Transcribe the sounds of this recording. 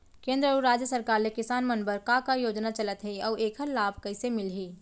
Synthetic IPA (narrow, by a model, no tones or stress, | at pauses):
kẽːnd̪ɾəəuɾaːd͡ʒjəsəɾkaːɾlekɪsaːnmɐnbəɾkãkajoːd͡ʒnat͡ʃɐlət̪ɦɛiɔːeːkʰəɾlaːbʱkɐɪsemɪlɦiː